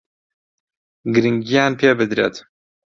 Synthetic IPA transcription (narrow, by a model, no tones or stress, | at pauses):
ɡɨɾɨŋɡijaːnpʰeːbɨd̪ɾḛt̪